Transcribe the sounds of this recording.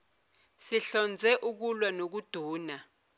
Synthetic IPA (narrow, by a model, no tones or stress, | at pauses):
siɬɔnd͡zʱɛʔuk̬ulwanok̬ud̥ʱuːna